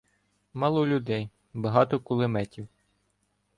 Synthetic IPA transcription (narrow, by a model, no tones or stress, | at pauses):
mɑlˠɔlʲʊd̪ɛj | bɐɦɑt̪ɔkʊlˠemɛtʲiw